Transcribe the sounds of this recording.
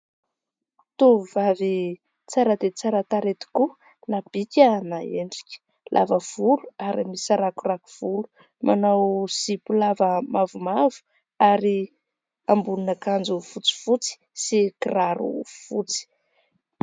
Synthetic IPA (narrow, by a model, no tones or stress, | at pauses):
t̪uvavi | t͡saɾəd̪et͡saɾət̪aɾet̪i̥ku | nab̥ik̪ʲanaeɳɖ͡ʐi̥kʲi̥ | lʔa̰vəv̥uluaɾimisaɾakuraku̥v̥ulu̥ | mʔanawsipulavəmavumavu̥ | aɾi | ambulunəkand͡zufut͡si̥fut͡si̥ | sikiraɾṵfut͡si̥